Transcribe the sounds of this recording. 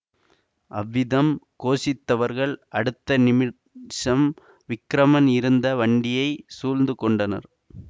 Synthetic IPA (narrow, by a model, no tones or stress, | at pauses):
ʔɐʋːɪðɐmkoːsɪt̪ːɐʋɐɾɣɐɭɐɽɯt̪ːɐnɪmɪ | ʂɐm | ʋɪkːɾɐmɐnɪɾɯnd̪ɐʋɐɳɖɪjɐɪsuːlnd̪ɯkɔɳɖɐnɐ̰ɾ